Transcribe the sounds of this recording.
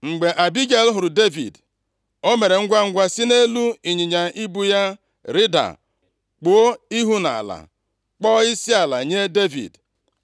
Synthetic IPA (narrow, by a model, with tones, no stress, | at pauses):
ŋ͡m̩˨ɡ͡be˨ʔa˨bi˦ɡe˦˨lɦʊ˨ɾʊ˨de˦vḭ˨d | o˦me˨ɾe˨ŋ̩˦ɡʷa˦ŋ̩˦ɡʷa˦si˦ne˦lu˦i˨ɲi˨ɲa˨i˦bu˦ja˦ | ɾi˦da̰˨ | k͡po˨o˦i˦ɦu˦na̰˨la̰˨ | k͡pɔ˦ɪ˦si˦a˨la̰˨ɲe˦de˦vḭ˨d